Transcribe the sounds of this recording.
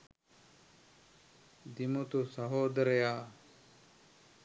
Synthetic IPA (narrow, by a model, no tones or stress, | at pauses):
d̪imut̪usɐɦoːd̪ɐɾejaː